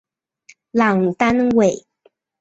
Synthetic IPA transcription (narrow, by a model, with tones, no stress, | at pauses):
la˨˩ŋ˨˩t̪a˥nwe˨˩˦ɪ